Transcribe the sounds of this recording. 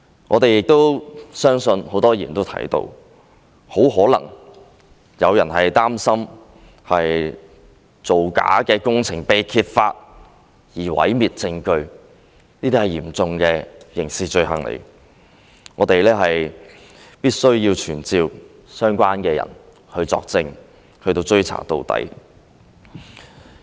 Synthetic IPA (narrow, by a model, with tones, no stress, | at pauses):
ŋɔ̰ː˨˧t̪e˨jɪ˨k̚t̪o˥wsœː˥ŋsɵ˧nho˨˥wt̪ɔː˥jiː˨˩nt̪o˥wt̪ʰɐ̰˨˥jt̪o̰˧w | ho˨˥wɦɔː˨˥lɐ̰˨˩ŋ | jɐ˨˧wjɐ˨˩nhɐ˨jt̪aː˥msɐ˥m | hɐ˨j | t͡so˨wka̰ː˨˥kɛː˧kʊ˥ŋt͡sʰɪ˨˩ŋpe˨jkʰiː˧t̚faː˧t̚ | jiː˨˩wɐ̰˨˥jmiː˨t̚t͡sɪ˧ŋkɵ˧ɥ | niː˥t̪iː˥hɐ˨jiː˨˩mt͡sʊ˧ŋkɛː˧jɪ˨˩ŋsiː˨t͡ʃɵ˧ɥhɐ̰˨˩ŋlḛ˨˩ | ŋɔː˨˧t̪e˨jlɛː˥ɦɐ˨j | piː˥t̚sɵ˥ɥjiː˧wt͡ʃʰyː˨˩nt͡siː˧w | sœː˥ŋkʷaː˥nkɛː˧jɐ̰˨˩n | hɵ˧t͡sɔː˧k̚t͡sɪ˧ŋ | hɵ˧ɥt̪o˧wt͡sɵ˥ɥt͡sʰa̰ː˨˩t̪o̰˨wt̪ɐ̰˨˥j